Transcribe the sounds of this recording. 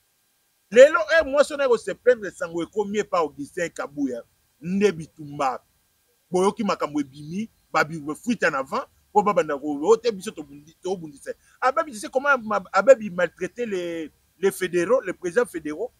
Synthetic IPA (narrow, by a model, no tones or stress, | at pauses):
leloʔemwãsonakosɛp̚tɛ̃desaŋɡoekomiepaobisɛ̃kabuja | n̩debitumba | bojokimakamboebimi | babifwitanavã | pobabandakootɛbisototobundisa | abebisis̬ekomaabebimaltʁetele | lefedeʁolepʁezidãfedeʁo